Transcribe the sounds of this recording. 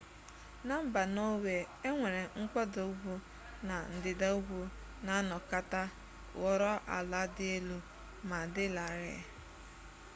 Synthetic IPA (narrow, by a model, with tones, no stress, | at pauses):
na˦m̩˦ba˨no˦we˨e˦ŋʷe˨ɾe˨ŋ̩˦kʷɔ˦do˨u˦ɡʷu˦ | na˨n̩˨dɪ˨da˦u˦ɡʷu˦ | na˨a˦nɔ˨ka˦ta˦ | ɣɔ˨ɾɔ˦ʔa̰˨la˦dɪ˦e˦lu˦ | ma˨dɪ˦la˨ɾɪ̰˨